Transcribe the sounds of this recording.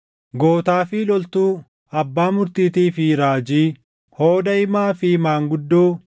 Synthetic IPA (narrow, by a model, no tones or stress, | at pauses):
ɡoːt̪aːfɪlɔlt̪uː | ɐbːaːmʊɾt̪iːt̪iːfɪɾaːd͡ʒiː | hoːd̪ɐɪmaːfɪmaːŋɡʊd̪ːoː